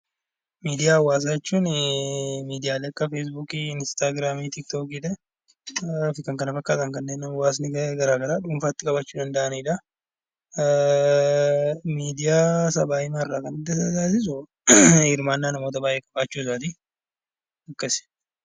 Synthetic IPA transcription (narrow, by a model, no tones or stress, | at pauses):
miːd̪ɪjaːwːaːs̬ajɛt͡ʃːuːn | miːd̪ɪjaːlɛːɐkːɐfes̬buːkiɪnst̪aːɡɾaːmiːt̪ɪk̚t̪oːkiᶑɛ | fɪkɐŋkɐnɐfɐkːaːt̪ɐŋkɐnːeːnːɐmɐwaːs̬nɪɡɡɐɾaːɡɐɾaːᶑuːmfaːt̪ːɪkʼɐbɐt͡ʃːuːd̪ɐnd̪ɐʔɐniːᶑɐ | miːd̪ɪjaːsabaːɪmarːaːkɐnɪd̪ːɐsɐd͡ʒaːs̬ɪs̬ʊ | hɪɾmaːnːaːnɐmo̞ːt̪̬ɐbaːjʔeːkʼɐbaːt͡ʃːuːs̬aːt̪i | ɐkːɐsɪ̥